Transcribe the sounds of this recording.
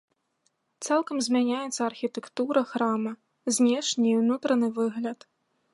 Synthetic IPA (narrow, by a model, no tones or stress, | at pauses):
t̪salˠkɐmzʲmʲanʲajɛt̪sːɐɐrxʲit̪ɛkt̪uɾɐxɾamɐ | zʲnʲɛʂnʲiwnut̪ɾɐnɨvɨɣlʲɐt̪